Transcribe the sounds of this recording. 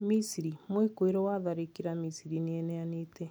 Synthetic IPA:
misiɾimwekoeɾɔwaðaɾekiɾamisiɾineɛnɛaneːtɛ

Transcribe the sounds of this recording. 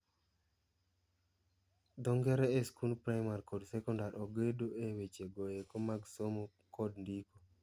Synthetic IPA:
d̪ɔŋɡɛɾɛeskunpɾajmaɾkɔdsɛkɔndaɾʔɔɡedoʔewet͡ʃeɡojekɔmaɡsomo | kɔdndiko

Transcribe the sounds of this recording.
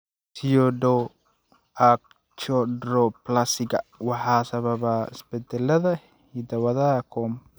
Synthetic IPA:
siɔdɔ | ak̚ | t͡ʃɔdɾɔplasɪɡɐwɑħɑːsɐβɐβaɪ̰sbɛd̪ɛlːɐðɐ | hid̪ɐwɐðɐɐkʰɔm

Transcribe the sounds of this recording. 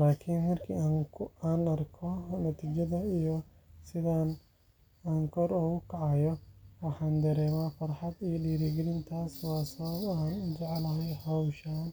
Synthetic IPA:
laːkʰinmɐrkʰḭːaːŋaːnɐrkʰɔnɐt̪ʰiːt͡ʃɐðɐijɔ | sɪðaːn | aŋkʰɔɾɔːɣʊkʰɑʕɑjɔwɑħɑːnd̪ɐɾɛːmaːfɐrħɑd̪ijɔɖiːɾiɡɛlɪnt̪ʰaːswɑːsɐβɐbaːnd͡ʒɛʕlɐɦɛjhɐwʃaːn

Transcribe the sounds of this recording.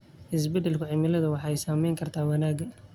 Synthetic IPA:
ʔɪs̬bɛd̪ɛlkʰʊʕɪmɪlɐðɐwɑħɑɛjsaːmɛjŋkʰɐrt̪ʰaːwɑnaːɡɐ

